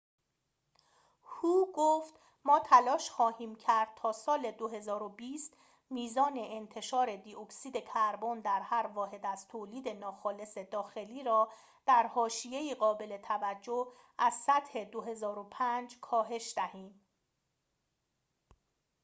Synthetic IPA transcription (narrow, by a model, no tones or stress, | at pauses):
huːɡoft̪ | mɒːt̪ʰælɒːʃxɒːhiːmcʰæɾd̪̥̚t̪ʰɒːsɒːle̞d̪oɦe̞zɒːɾobiːst̪ | miːzɒːne̞ʔːnt̪ʰe̞ʃɒːɾe̞d̪ioksiːd̪e̞kʰæɾbond̪æɾhæɾvɒːɦe̞d̪æzt̪ʰoːliːd̪e̞nɒːxɒːle̞se̞d̪ɒːxe̞liːɾɒː | d̪̥æɾhɒːʃije̞iːɢɒːbe̞le̞t̪ʰævæd͡ʒːoh | ʔæz̥sæt̪he̞d̪oɦe̞zɒːɾo̞pʰænd͡ʒkʰɒːɦe̞ʃd̪̥æhiːm